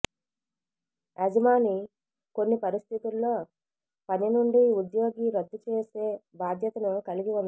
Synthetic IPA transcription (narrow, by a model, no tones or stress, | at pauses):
ɐd͡ʒɐmaːni | ko̞nːipɐɾist̪ʰit̪ulːo̞ː | pɐnjinuɳɖiud̪jo̞ːɡiɾɐd̪ːut͡ʃeːse̞ːbaːd̪ʱjɐt̪ɐnukɐliɡiund̪